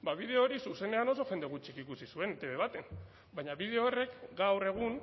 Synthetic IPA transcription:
baβ̞ið̞e̞oɾisuse̞ne̞ano̞so̞fe̞nd̪eɣ̞ut͡ʃikikusisue̞net̪e̞βe̞β̞at̪e̞n | bajɲaβiðe̞oːre̞kɡawre̞ɣ̞un

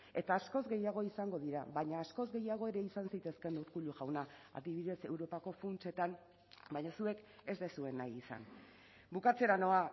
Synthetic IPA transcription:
e̞t̪aːsko̞zɣe̞jaɣ̞o̞isaŋɡo̞ðiɾaβaɲaːsko̞zɡe̞jaɣ̞o̞eɾe̞isansajt̪e̞ske̞nuɾkuʎuʝawnaa̰ðiβiðe̞se̞wɾo̞pako̞funt͡ʃe̞t̪an | bajɲasue̞ke̞zd̪esue̞najisa̰n | bukat͡se̞ɾano̞a

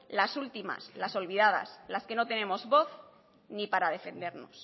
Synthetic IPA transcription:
lasult̪ima̰slaso̞lβið̞að̞a̰slaske̞no̞t̪e̞nẽ̞mo̞zβo̞θ | nipaɾað̞e̞fe̞nd̪e̞ɾno̞̰s

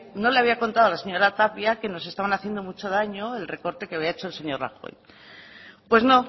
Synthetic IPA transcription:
no̞leaβiako̞nt̪aðoalase̞ɲo̞ɾat̪apjake̞no̞se̞st̪aβanaθjend̪o̞mut͡ʃo̞ð̞aɲo̞e̞lre̞ko̞ɾt̪e̞keaβiaet͡ʃo̞lse̞ɲo̞rra̰xo̞̰j | pwe̞zno̞

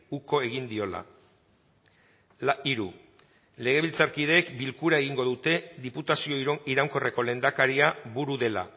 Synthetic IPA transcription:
uko̞e̞ɣ̞ind̪io̞la̰ | iɾu | le̞ɣ̞e̞β̞ilt͡saɾkiðe̞ːkbilkuɾae̞ɣiŋɡo̞ðut̪e̞ðiput̪asio̞iɾawŋko̞re̞ko̞le̞nd̪akaɾiaβuɾuðe̞la̰

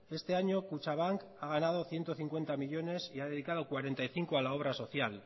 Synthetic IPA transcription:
e̞st̪e̞aɲo̞kut͡ʃaβ̞aŋk | aɣ̞anað̞o̞θje̞nt̪o̞θiŋkwe̞nt̪amiʎo̞ne̞siaðe̞ðikað̞o̞kwaɾe̞nt̪ajθiŋkoalao̞β̞ɾaso̞θjal

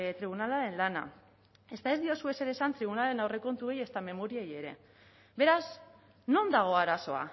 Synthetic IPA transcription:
t̪ɾiβ̞unalaɾe̞nlana̰ | e̞st̪ae̞zd̪io̞sue̞se̞ɾe̞sant̪ɾiβ̞unale̞nawre̞ko̞nt̪ue̞je̞st̪ame̞mo̞ɾieje̞ɾe̞̰ | be̞ɾaz | no̞nd̪aɣ̞o̞aɾaso̞a̰

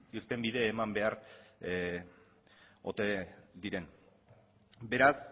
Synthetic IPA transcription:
iɾt̪e̞mbiðe̞ːmambe̞aɾ | o̞̰t̪ed̪iɾe̞n | be̞ɾas

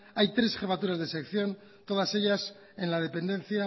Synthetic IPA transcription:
ajt̪ɾe̞sχe̞fat̪uɾazðesekθjo̞n | t̪o̞ð̞ase̞ʝas | e̞nlað̞e̞pe̞nd̪e̞n̟θja

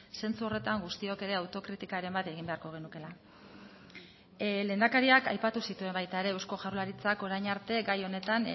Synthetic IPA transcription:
se̞nt͡suo̞re̞t̪aŋɡust̪io̞ke̞ɾe̞awt̪o̞kɾit̪ikaɾe̞mbat̪e̞ɣ̞imbe̞aɾko̞ɣ̞e̞nuke̞la | le̞ːnd̪akaɾiakajpat̪usit̪ue̞mbajt̪ae̞ɾe̞ewsko̞ʝarulaɾit͡sako̞ɾajɲaɾt̪e̞ɡajo̞ne̞t̪an

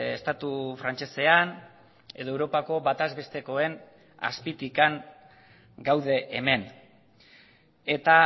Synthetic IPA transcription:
est̪at̪ufɾant͡ʃe̞se̞an | e̞ð̞o̞ewɾo̞pako̞βat̪azβe̞st̪e̞ko̞e̞n | a̰spit̪ikaŋ | ɡawðe̞ʔːme̞n | e̞t̪a

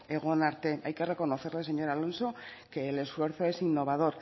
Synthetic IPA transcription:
e̞ɣ̞onaɾt̪e̞ajke̞re̞ko̞no̞θe̞ɾle̞se̞ɲo̞ɾalo̞nso̞ | ke̞le̞sfwe̞ɾθo̞e̞sinːo̞β̞að̞o̞ɾ

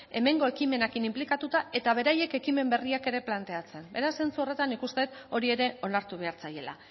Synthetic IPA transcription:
e̞me̞ŋɡo̞e̞kime̞nakinimplikat̪ut̪ae̞t̪aβ̞e̞ɾaje̞ke̞kime̞mbe̞riake̞ɾe̞plant̪e̞at͡se̞mbe̞ɾasːe̞nt͡suo̞re̞t̪anːikust̪e̞t̪ | o̞ɾie̞ɾe̞o̞naɾt̪uβe̞aɾt͡saje̞la̰

